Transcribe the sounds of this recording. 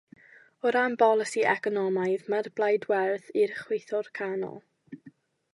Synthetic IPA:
ɔɾambɔlˠəsiʔɛkɔnɔmajðmarblˠajdwɛrθirχwejθɔrkʰanɔ̰lˠ

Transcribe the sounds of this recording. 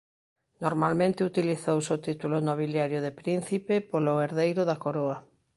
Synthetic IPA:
noɾmalmẽnt̪ɪut̪iliθowsot̪it̪ulʊnoβ̞iljaɾjʊðepɾin̟θipepoloeɾðejɾʊðakoɾoɐ

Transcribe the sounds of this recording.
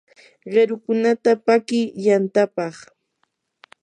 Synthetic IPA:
ɢeɾʊkʊnat̪apakɪjant̪apɑχ

